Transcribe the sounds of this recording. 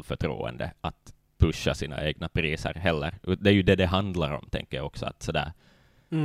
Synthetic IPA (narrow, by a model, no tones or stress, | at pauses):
fœʈʰɾṵːɛ̰nd̪əat̪ | pʰɵʃːasiːna̰ʔeːɡnapʰɾiːsə̰ɾɦɛlːəɾɵd̪ɛæjɵd̪ɛd̪ɛɦand̪laɾɔ̰mt̪ʰɛ̰ŋkːəjaɔksɔa̰t̪sɔd̪æ̰ːɾ